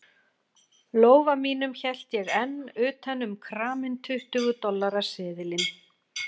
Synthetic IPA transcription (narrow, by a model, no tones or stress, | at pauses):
loːwvamiːnʏmçɛl̥t̪jɛɣɛnːʏːt̪ɛnːʏmkʰɾaːmɪnt̪ʰʏht̪ʏɣʏt̪ɔlːaɾḁsɪːðɪlɪn